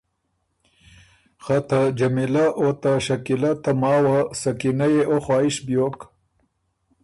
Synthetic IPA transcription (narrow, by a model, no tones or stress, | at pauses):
χat̪ad͡ʒɐmilaʔot̪aʃakilat̪amɑːwasɐkinajeʔoxɑːiʃbjoːk